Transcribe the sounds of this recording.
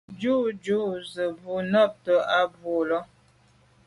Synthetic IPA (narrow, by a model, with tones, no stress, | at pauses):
d͡ʒu˦d͡ʒu˦zə˨bu˨nɔ˦˨p̚tə˦a˦bu˨lɔ˦